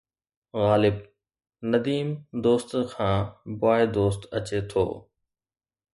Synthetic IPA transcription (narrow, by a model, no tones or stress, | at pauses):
ɣaːlɪb | nəd̪iːmd̪oːst̪kʰãːbʊaːed̪oːst̪ət͡ɕet̪ʰo̰ː